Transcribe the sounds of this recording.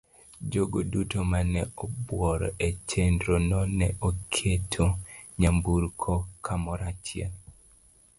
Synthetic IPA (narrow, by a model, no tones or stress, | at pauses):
d͡ʒoɡodutomanɛɔbwɔɾɔ̰ʔet͡ʃendɾonɔnɛʔokʰetʰoɲambuɾkʰɔkʰamɔɾat͡ʃjɛ̰n